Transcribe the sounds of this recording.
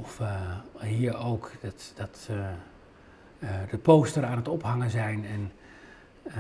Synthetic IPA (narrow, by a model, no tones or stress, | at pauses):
ɔf | iːɹowktd̥ɑt | dəpowstəɾaːnətɔpɦɑŋənzɛjnɛn